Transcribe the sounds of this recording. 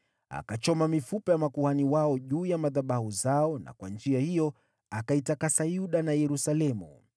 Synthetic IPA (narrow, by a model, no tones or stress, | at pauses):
a̰kat͡ʃɔmamifupɛjamakuhaniwaɔʄuːjamaðaɓahuzaɔna̰kwa̰nd͡ʒiahijɔ | akaitakasajuɗanajɛɾusalɛmṵ